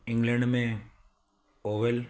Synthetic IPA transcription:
iŋɡlɐɳɖme | oʋel

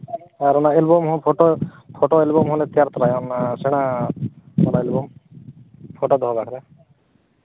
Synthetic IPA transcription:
aɾɔnaelbomɦɔpʰoʈo | pʰoʈoelbɔmɦɔlet̪jaɾt̪ɔɾajɔnaseɽ̃a | ɔlaelbɔm | pʰoʈod̪ʱɔbakʰɾe

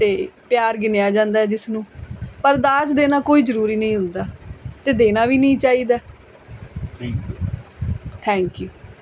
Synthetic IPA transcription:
t̪eːpjaːɾɡɪnejaːd͡ʒãːnd̪aːɦɛːd͡ʒɪsnũːpəɾd̪aːd͡ʒd̪eːnaːkoːiːzəɾuːɾiːnəĩːɦʊ̃nd̪aːt̪eːd̪eːnaːʋiːnəĩːt͡ʃaːiːd̪aː | kː | t̪ʰɛ̃ːŋkjuː

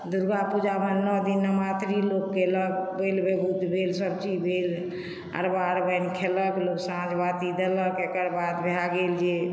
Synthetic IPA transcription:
d̪uɾɡapud͡ʒabənnɔd̪inːəmat̪ɾilokːeləɡbelbebʱud̪ʱbʱelsəbt͡ʃibʱel | ə̰ɾbaɾbəjnkʰeləkloksãd͡ʒbat̪id̪eləkekəɾbad̪bʱeɦaɡeld͡ʒe

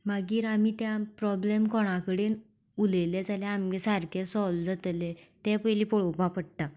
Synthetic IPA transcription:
maɡiːɾamit̪jãpɾɔblemkɔɽ̃akəɽen | uleled͡zalɛamɡesaɾkʰesɔld͡zat̪let̪ɛ̃pəjliːpɔɭopãpəɽt̪a

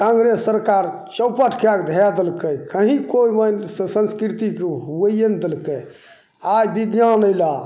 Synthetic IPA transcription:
kãŋɡɾesːəɾkaɾ | t͡ʃəwpəʈʰkeakd̪ʱad̪elkəjkəɦĩkoimənssənskɾit̪ikeɦuəijend̪elkəj | ajbid̪janəjla

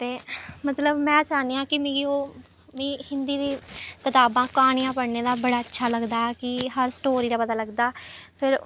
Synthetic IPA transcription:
t̪eːmət̪ləbmɛ̃ːt͡ʃaːniːãːkɪmɪ̃ɡioː | mĩːhɪ̃nd̪iːd̪iːkɪt̪aːbãːkaːɳ̃ijãːpəɽneːd̪aːbəɽaːətːʃʰaːləɡd̪aːkɪɦəɾsʈoːɾiːd̪aːpət̪aːləɡd̪aːpʰɪɾ

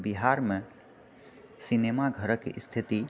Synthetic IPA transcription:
biɦaɾmẽ | sinemaɡʱəɾəkḭst̪ʰit̪i

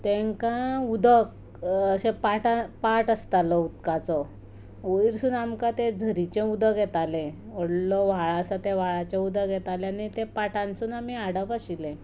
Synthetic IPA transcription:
t̪ẽŋkãud̪ʱək | əɕẽpaʈapaʈəst̪alɔut̪kat͡sɔ | oiɾsuːnamkãt̪ed͡zʱəɾit͡ɕẽud̪əɡʱɛt̪alẽəɽlɔʋaɭasat̪eʋ̤aɭat͡ɕẽud̪ʱəɡʱɛt̪aleanit̪epaʈãnsuːnam̤iaɽabaɕilẽ

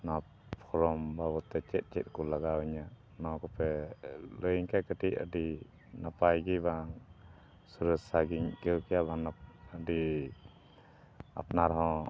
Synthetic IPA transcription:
na | pʰɔɾɔmbabɔt̪ːɛt͡ʃɛt̪̚ˀt͡ʃɛt̪̚ˀkɔlaɡawiɲa | nɔkɔpɛləjŋkajkəʈiʔə̰di | napajɡibaŋ | suɾəsaɡiŋkəwkɛjabaŋaəɖi | a̰pnaɾɦɔ̃

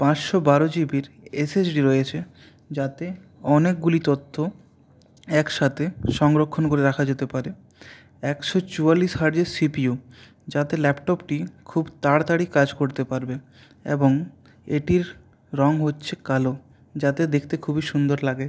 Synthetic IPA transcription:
pãt͡ɕʃobaɾod͡ʑibiɾ | esesɖiɾɔjet͡ɕʰe | d͡ʑat̪e | ɔnek̚ɡulit̪ot̪ʰːo | ɛkʃat̪ʰeʃɔŋɡɾokʰːonkoɾeɾakʰad͡ʑet̪epaɾe | ɛkʃɔt͡ɕualiʃɦaɾd͡ʑeɾsipiu | d͡ʑat̪elɛpʈɔpʈikʰubt̪aɽt̪aɽikad͡ʑkoɾt̪epaɾbe | ḛboŋ | eʈiɾ | ɾɔŋɦotːɕʰekalo | d͡ʑat̪ed̪ekʰt̪ekʰubiʃund̪oɾlaɡe

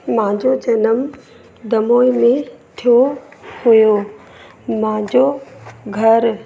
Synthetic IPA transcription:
mãɲd͡ʑod͡ʑɐnəm | d̪ɐmoːimẽt̪ʰijohujo | mãd͡ʑoɡʱɐɾ

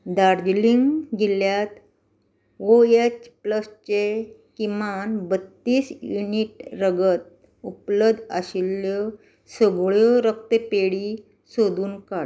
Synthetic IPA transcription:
d̪aɾd͡ʑliŋɡɡiljat̪ | oet͡ɕpləst͡ɕe | kimanbət̪ːiːsjuniʈɾəɡət̪̚ | upləd̪ʱəɕilə | səɡɭjɔɾəkt̪epeɽi | sod̪uːnkaɽ

